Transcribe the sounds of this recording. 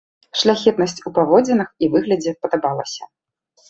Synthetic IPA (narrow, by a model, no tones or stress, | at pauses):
ʂlʲaxʲɛt̪nɐsʲt͡sʲupavɔd͡zʲɛnɨxivɨɣlʲɐd͡zʲɛpɐd̪abalˠɐsʲɐ